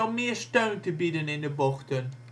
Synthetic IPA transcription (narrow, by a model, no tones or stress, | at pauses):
ɔmːiːəʃtəwntʰəbidənɪnəbɔxtən